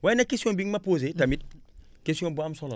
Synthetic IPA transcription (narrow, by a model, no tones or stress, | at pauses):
wanakesiõbiŋmapoːzetamit̚ | kesijõmbuamsɔla̰